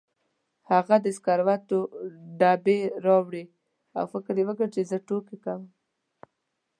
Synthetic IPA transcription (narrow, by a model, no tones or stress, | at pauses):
haɣad̪əɪskɑɾwat̪oɖɑbeɾɑwɽi | a̰wfɪkɾewəɡəɾt͡ʃezəʈokekawə